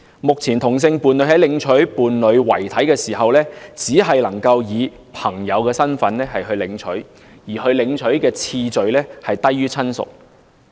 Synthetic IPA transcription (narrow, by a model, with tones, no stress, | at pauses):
mʊ˨k̚t͡sʰiː˨˩nt̪ʰʊ˨˩ŋs̬ɪ˧ŋpuː˨nlɵ˨˧ɥɦɐ˨˥jlɪ˨˧ŋt͡ʃʰɵ˨˥ɥpuː˨˩nlɵ˨˧ɥwɐ̰˨˩jt̪ʰɐ˨˥jkɛː˧siː˨˩ɦɐ˨wlɛː˥t͡siː˨˥ɦɐ˨jlɐ˨˩ŋkɐ˧wjiː˨˧ | pʰɐ˨˩ŋjɐ˨˧wkɛː˧sɐ˥nfɐ˨˥nlɛː˥ɦɐ˨jɦɵ˧ɥlɪ˨˧˥ŋt͡ʃʰɵ̰˨˥ɥ | jiː˨˩hɵ˧ɥlɪ˨˧˥ŋt͡ʃʰɵ˨˥ɥkɛː˧t͡sʰiː˧t͡sɵ˨˧ɥlɛː˥hɐ˨jt̪ɐ˥jːyː˥t͡sʰɐ˥nsʊ̰˨k̚